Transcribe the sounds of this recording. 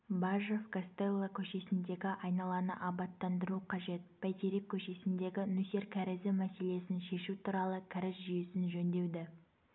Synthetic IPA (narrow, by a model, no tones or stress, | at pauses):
bɑʒofkost̪elˠːakʲʰɵʃe̞sɪnd̪e̞ɡʲɪʔɑjnɑlˠɑnəʔɑbɑt̪ːɑnd̪əɾuqʰɑʒe̞t̪̚pʰæjt̪eɾekʲʰːɵʃe̞sɪnd̪e̞ɡʲɪnuse̞ɾkʲʰæɾɪzɪmæse̞le̞sɪnʃe̞ʃut̪ʰuɾɑlˠəkʲʰæɾɪsʒijesɪnʒɵnd̪e̞wd̪ɪ